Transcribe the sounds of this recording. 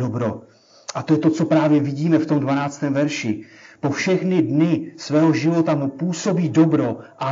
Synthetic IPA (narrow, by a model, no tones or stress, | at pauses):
obɾo | ʔat̪o̞jɛt̪o̞t͡so̞pɾaːvjɛvɪɟiːmɛft̪o̞mdvanaːt͡st̪ɛːmvɛɾʃɪ | po̞fʃɛxnɪdnɪsvɛːɦo̞ʒɪvo̞t̪amupuːso̞biːdo̞bɾo̞ʔa